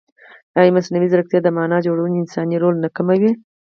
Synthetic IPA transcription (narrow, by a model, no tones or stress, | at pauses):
ɑjimasnawizɾəkt̪jɑd̪əmɑnɑd͡ʒoɽawunɪnsɑniɾolnakamawi